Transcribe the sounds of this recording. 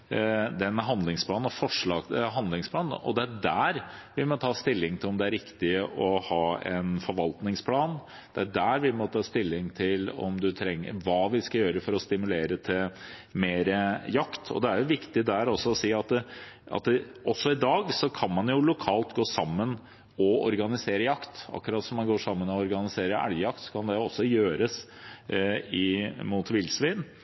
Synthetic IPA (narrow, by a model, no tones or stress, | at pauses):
d̪ɛnːɦɑnd̪lɪŋspʰlɑːnnɔfɔʂɭɑːɡ̪ɦɑnd̪lɪŋspʰlɑːn̰ʔɔ̰d̪ɛæɖæːɾʋɪlmɔt̪əhɑːst̪ɪlːɪŋt̪ʰɪlɔmd̪ɛæɾɪkt̪ɪɔhɑːɛ̰nfɔɾʋɑlt̪nɪŋspʰlɑːn | d̪̥ɛæɖæːɾʋɪmɔt̪əɑst̪ɪlːɪŋt̪ʰɪlɔ̰md̪ʉt̪ʰɾɛŋːə̰ʋɑːʋɪskɑjøːɾəfɔɾɔst̪ɪmʉleːɾət̪ʰɪmeːɾəjɑkt̪ʰɔ̰d̪ɛæɾjʊʋɪkt̪ɪd̪æɾɔsːɔɔsiːɑt̪əʔɑ̰t̪ɔsːɔɪd̪ɑːɡsɔkʰɑnmɑnjʊlʊkʰɑːlt̪ɡoːsɑmːən | ɔɔɾɡɑnɪseːɾəjɑkt̪ɑ̰kːʉɾɑːt̪sɔmɑnɡoːʂɑmːənɔɔɾɡɑnɪseːɾəæ̰ɽjəjɑkt̪sɔ̥kʰɑnd̪ɛɔsːɔjøːɾəs | ɪmut̪ʋɪlsʋiːn